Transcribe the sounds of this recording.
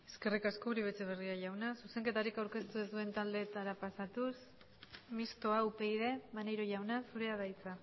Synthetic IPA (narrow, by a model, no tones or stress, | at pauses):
e̞ske̞rikasko̞uɾiβet͡se̞β̞e̞riaʝawnasuse̞ŋke̞t̪aɾikawɾke̞st̪ue̞zd̪ue̞nt̪ald̪e̞t̪aɾapasat̪us | mist̪o̞aupe̞jðe̞manejɾoʝawnasuɾeaðajt͡sa